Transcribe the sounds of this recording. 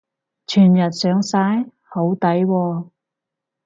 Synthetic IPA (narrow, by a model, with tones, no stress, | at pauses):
t͡ʃʰyː˨˩njɐ˨t̚sœː˨˥ŋsaː˧˥j | ho˨˧˥wt̪ɐ˨˥jwɔː˧